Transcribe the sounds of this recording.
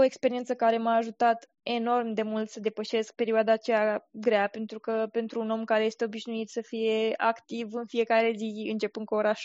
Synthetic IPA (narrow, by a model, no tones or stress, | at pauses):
oe̞kspe̞ɾie̞nt̪səkaɾe̞maːʒut̪at̪ | e̞no̞rmd̪e̞mult̪səd̪e̞pəʃe̞sk̚pe̞ɾioad̪aːt͡ʃejaɡɾeape̞nt̪ɾukəpe̞nt̪ɾuːno̞mkaɾe̞je̞st̪eo̞biʃnuit̪səfije̞akt̪ivɨnfije̞kaɾe̞ziɨ̰nt͡ʃe̞pɨnd̪̚kuoɾaʃ